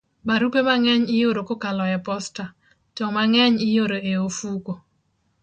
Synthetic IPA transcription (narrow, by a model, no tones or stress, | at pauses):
baɾupemaŋɛɲɪjoɾokokalɔjɛpɔsta | t͡ʃɔmaŋɛɲɪjoɾoeofuko